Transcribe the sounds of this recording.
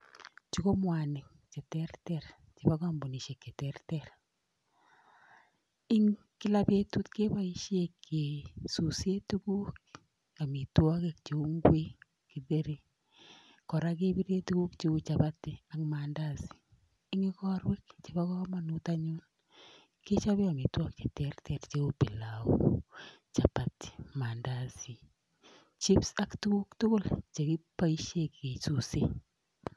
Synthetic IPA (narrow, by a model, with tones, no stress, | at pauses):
t͡ʃu˦ko˦mwa˨nɪ˨k̚ | t͡ʃe˨tɛ˦ɾtɛ˨ɾ | t͡ʃi˨ba˦ka˦mbo˨ni˨ʃe˨kːe˨tɛɾtɛɾ | ɪ˦ŋ | kɪ˦lape˦tu˦tke˦ba˦i˦ʃjekʰːe˨su˨se˦tu˦ɡu˦k | a˨mi˨twɔ˦ke˦k̚t͡ʃe˨u˦ŋɡwe˦ | ki˨ðe˦ɾi˦ | kɔ˨ɾa˦k̬e˦bi˦ɾe˦tuɡu˦kt͡ʃi˦kut͡ʃa˨ba˦ti˨a˨kma˨nda˦si̥˨ | ɪ˦ŋɪ˦kɔ˦ɾwe˦k̚t͡ʃe˨ba˦kɔ˦ma˦nu˦ta˦ɲʊ˦n | ke˦t͡ʃa˦bɪ˦a˨mi˨twɔ˦kt͡ʃe˨tɛrtʰɛ˨tt͡ʃe˦o˦pɪ˨laṵ | t͡ʃa˨pa˨tɪ̥˨ma˨nda˦si˨ | t͡ʃi˦psa˦ktu˦ku˦ktʊ˦kʊ˦lt͡ʃe˨ki˦pa˦i˦ʃe˦kke˨su˨se˦